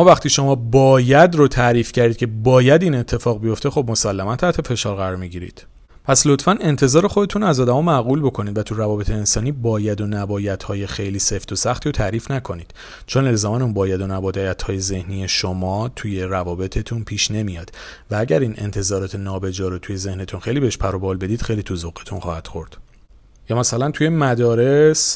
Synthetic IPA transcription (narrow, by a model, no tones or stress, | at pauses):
mɒːvæχt̪iːʃo̞mɒːbɒːjæd̪rot̪ʰæɾiːfcæɾd̪id̪cʰe̞bɒːjæd̪iːne̞t̪ʰːe̞fɒːɣbijo̞ft̪e̞xo̞bmo̞sælːæmænt̪ʰæʔt̪ʰe̞fe̞ʃɒːɾɣæɾɒːɾmiɟiːɾḭːd̪̥ | pʰæslo̞t̪fæne̞nt̪ʰe̞zɒːɾe̞χo̞d̪e̞t̪ʰunæzɒːd̪æmɒːmæɣuːlbo̞kʰo̞nid̪væt̪ʰuɾævɒːbet̪ʰe̞ːnsɒːniːbɒːjæd̪onæbɒːjæt̪ʰhɒːjexe̞jliːse̞ft̪ʰosæxt̪ʰiːɾot̪ʰæɾiːfnækʰo̞niːd̪̥ | t͡ʃʰone̞lzɒːmænunbɒːjæd̪o̞næbɒːd̪jæt̪ʰhɒːje̞ze̞hniːje̞ʃomɒːt̪ʰuje̞ɾævɒːbe̞t̪ʰe̞t̪ʰunpʰiːʃne̞mijɒːd̪̥vææɟæɾiːnʔe̞̰nt̪ʰe̞zɒːɾɒːt̪ʰe̞nɒːbe̞d͡ʒɒːɾot̪ʰuje̞ze̞hne̞t̪ʰunxe̞jlibeeʃpʰæɾobɒːlbe̞d̪iːd̪̥xe̞jliːt̪ʰuzoɣe̥t̪ʰunχɒːhæd̪̥χo̞ɾd̪̥ | jɒːmæsælænt̪ʰuje̞mæd̪ɒːɾes